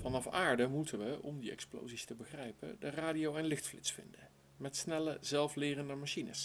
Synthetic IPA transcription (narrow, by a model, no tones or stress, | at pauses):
fɑnɑfaːɹdəmutəʋəʔɔmdiɛ̰ksplo̰wzistəbəχrɛjpə̰dəraːdiowɛnlɪxtflɪ̰tsfɪ̰ndə | mɛtsnɛləzɛlˠflɪːrəndəmaʃinə̰s